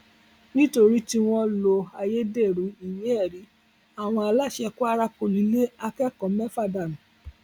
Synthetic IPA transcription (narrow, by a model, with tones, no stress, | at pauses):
nĩ˦to˧ɾi˦ti˧w̃ɔ̃˧lo˧a˧je˦de˦˨ɾu˨˦i˨jĩ˨˦ɛ˦˨ɾi˨˦ | a˦˨w̃ɔ̃˧a˧la˦˨ʃɛ˧ku˦a˦ɾa˦ko˨lĩ˨˦le˦a˧kɛ˦kɔ̃˨mɛ˦fa˦˨da˨m̩˨